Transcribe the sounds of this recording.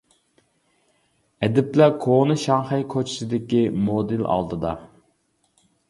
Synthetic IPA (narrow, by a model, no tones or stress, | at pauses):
ɛd̪ɪplækʰonɨʃɑŋχɛjkʰot͡ʃʰɪ̥sɪd̪ɪkʲimod̪ɪlɑ̰lˠd̪ɨd̪ɑ̰